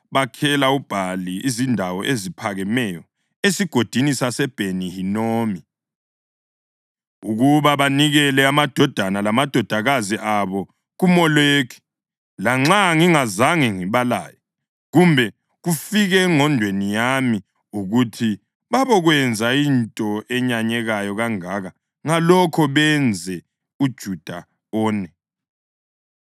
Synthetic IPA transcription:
βakʰɛlaub̥ʱaliizindʱawɔ̰ʔezipʰaɣɛmɛjɔ | esiɡ̥ʱod̥ʱinisasɛb̥ʱenihinoːmi | uɣuβaβaniɣɛlɛamad̥ʱɔd̥ʱanalamad̥ʱɔd̥ʱaɣaziʔaβɔ | ɣumɔlekʰi̥ | laŋ͡ǁaŋiŋazaŋiŋiβala̰ːjɔ | ɣumbʱɛ | ɣufiɣɛŋɔndʱwenijami | uɣutʰi | βaβɔɣwɛnd͡zʱaintʼɔɛɲaɲɛɣajɔɣaŋaːɣa | ŋalɔkʰɔβɛnd͡zʱɛ | ud̥ʒ̥ʱud̥ʱa | ɔːnɛ

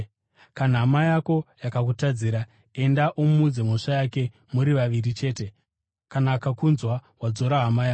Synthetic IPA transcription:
kanaɦamajako̞jakak̬utad͡ziːɾa | e̞ndaʔommud͡zemoʂajake̞ | muɾiʋaʋirit͡ʃe̞ːte̞ | kanaːkakunzwawad͡zo̞ɾaɦamajaː

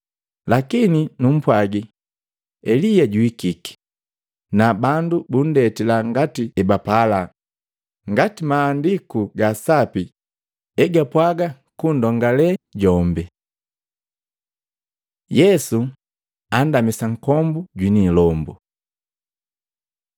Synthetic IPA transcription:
lakininum̩pwaɡi | ɛlijaɟuikiki̥ | nabandubun̩dɛtilaŋɡatiɛbapala | ŋɡatimaːndikuɡasapi | ɛɡapwaɡa | kundɔŋɡalɛɟɔmbɛ | jɛsu | andamisaŋ̩kɔmbuɟwinilɔmbṵ

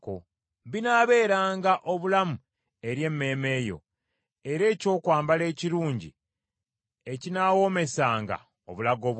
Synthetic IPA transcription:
ko | βinaːβe̞ːɾaːŋɡaʔo̞βulamu | e̞ɾje̞mːe̞ːme̞ːjo̞̰ | e̞ɾe̞ːco̞ːkwaːmbale̞ːciɾuːɲɟḭ | ecinaːwo̞me̞saːŋɡa̰ | o̰βulaɡo̞ːβ

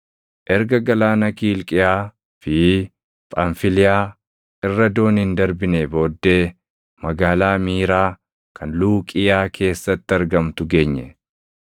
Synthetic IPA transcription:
ʔɛɾɡɐɡɐlaːnɐkiːlkʼɪjaː | fɪ | pʼɐnfɪlɪjaː | ʔɪrːɐd̪o̞ːnhɪnd̪ɐɾbɪneːbo̞ːd̪ːe̞ː | mɐɡaːlaːmiːɾaː | kʰɐnluːkʼɪjaːkʰe̞ːsːɐt̪ːɪɐɾɡɐmt̪ʊɡe̞ːɲːɛ̰

